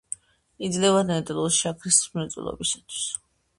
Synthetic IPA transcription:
id̪zlɛvad̪nɛt̪ʼɛlˠusʃakʰɾismɛt̪sʼwḭlˠɔ̰bisat̪ʰwi̥s

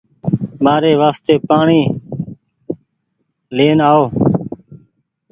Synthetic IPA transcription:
ɓaːɾeːʋaːst̪eːpaːɳiː | leːnaːoː

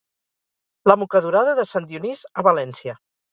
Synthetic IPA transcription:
ləmukəðuɾaðəðəsand̪iunizəβəlɛnsijə

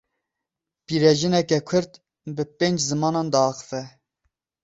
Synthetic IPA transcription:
piːɾɛʒɨnɛkɛkʷʰʊɾt̪ | bɨpeːnd͡ʒzɨmɑːnɑːnd̪ɑɑxə̥fɛ

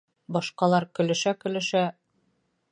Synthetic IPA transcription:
bɒʃqɑlˠɑɾkɵ̆lɘ̆ʃækɵ̆lɘ̆ʃæ

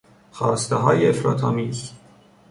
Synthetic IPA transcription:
xɒːst̪eɦɒːjeefɾɒ̰ːt̪ʰɑːmiːz

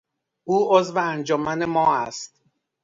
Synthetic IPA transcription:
ʔuːozveænd͡ʒɒːmænemɒːæst̪̚

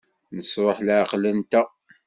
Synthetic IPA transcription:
nəsɾˤoħlaʕqlənt̪æ

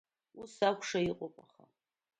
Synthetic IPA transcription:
usakʷʰʼʂaiqʼʊpʼaχa̰

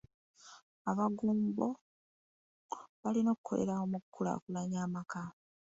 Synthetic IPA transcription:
aβaɡuːmbo̞ | βalino̞kukʰo̞̰le̞̰ɾaomukʰːula̰kulaɲaːmaka

